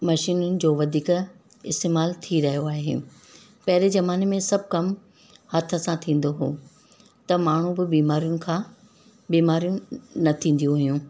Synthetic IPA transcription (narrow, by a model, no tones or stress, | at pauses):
mɐʃiːnʊnɪ̆d͡ʑoːʋɐd̪ʱiːk | ɪst̪eːmaːlt̪ʰiɾɐɦijoaːɦḛ | pɐɦɪɾezɐmaːnemẽsɐb̚ʱkɐm | hɐt̪ʰə̆sãt̪ʰĩːn̆d̪oɦoː | t̪ɐmaːɳ̤ũbɪbiːmaːɾijʊnɪ̆kʰãː | biːmaːɾijũnɐt̪ʰĩːn̆d̪ijũɦʊjũː